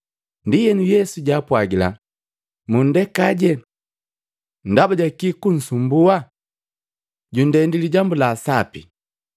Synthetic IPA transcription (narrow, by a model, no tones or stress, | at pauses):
ndijɛnujɛsuɟaːpwaɡila̰ | mun̩dɛkaɟɛ | n̩dabaɟakikun̩sumbua | ɟundɛndiliɟambulaːsapi